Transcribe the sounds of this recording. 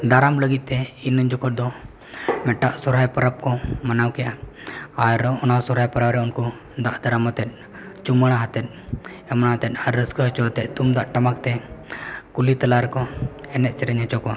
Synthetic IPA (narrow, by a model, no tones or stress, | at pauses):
d̪aɾamləɡit̪̚t̪ɛinːəɲd͡ʒɔkɔʈ̚d̪ɔ | mɛʈaʔsɔɾajpɐɾap̚kɔmanawkɛjaaɾɔñasɔɾajpəɾawɾɛunkɔ | d̪aʔd̪aɾamat̪ɛt̪̚ˀ | t͡ʃuməɽ̃aɦat̪ɛt̪̚ˀɛmɽ̃aɦat̪ɛt̪̚aɾːəskəɦt͡ʃɔɦt̪ɛʔ̪̚t̪umd̪aʔʈɐmak̚t̪ɛ | kulit̪əlaɾkɔɛnɛʔ̪t͡ʃɛɾəɲɦət͡ʃɔkwa